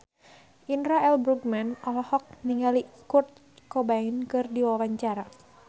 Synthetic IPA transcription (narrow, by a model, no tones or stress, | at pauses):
ʔinɾaɛlbɾuɡmanɔlɔhɔk̚niŋalikurt̪̚ | kɔbaŋinkɨrdiwawaɲt͡ʃaɾa